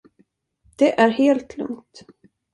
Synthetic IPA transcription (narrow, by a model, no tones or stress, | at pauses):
d̪̥ɛʔæɾheːlt̪ʰlɵ̰ŋt̪